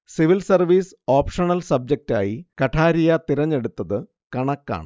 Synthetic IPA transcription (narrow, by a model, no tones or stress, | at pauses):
siʋilsɐrʋiːs | oːpʂɐɳɐlsɐb̚d͡ʑek̚ta̰ːjikɐʈʰaːɾijɐt̪iɾɐɲːe̞ɽut̪ːɐðɨ | kɐɳɐkːa̰ːɳɨ